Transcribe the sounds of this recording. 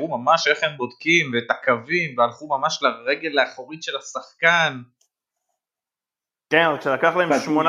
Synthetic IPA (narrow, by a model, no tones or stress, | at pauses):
umamaʃe̞χhembo̞d̪kimvet̪akavimvealχumamaʃlaʁeɡe̞lːeaχoʁit̪ʃe̞lasaχkan | kenkʃelakaχlaemʃmon